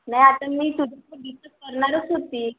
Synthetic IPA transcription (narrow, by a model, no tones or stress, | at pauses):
najat̪ãmiːsud̪ʱatəɖisəs̚kəɾnaɾət͡sɦot̪iː